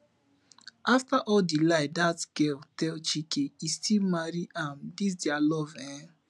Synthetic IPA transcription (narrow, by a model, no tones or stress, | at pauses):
ʔaftaʔɔldilaɪdatɡɛltɛlt͡ʃikeistilmaɾiʔãmdis̬dɛalɔvɛ̃